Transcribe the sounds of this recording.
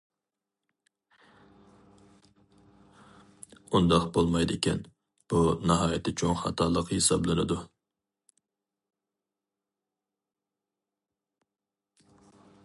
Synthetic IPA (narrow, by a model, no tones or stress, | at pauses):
und̪ɑqbolˠmɑjd̪ɪkʲʰɛn | b̥unɑɦɑːjɪt̪ʰɪt͡ʃʰoŋχɑ̰t̪ʰɑːlˠəqhesɑblˠɨnɪd̪u